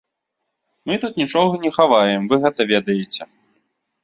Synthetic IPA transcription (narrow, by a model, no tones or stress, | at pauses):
mɨt̪ut̪̚nʲit͡ʂɔɣɐnʲɛxavajɛmvɨɣɛt̪ɐvʲed̪ɐjet͡sʲɛ